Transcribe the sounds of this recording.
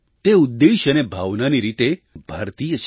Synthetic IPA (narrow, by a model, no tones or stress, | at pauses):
t̪eud̪ːeʃənebʱaʋnaniɾit̪ebʱaɾt̪ijəʃ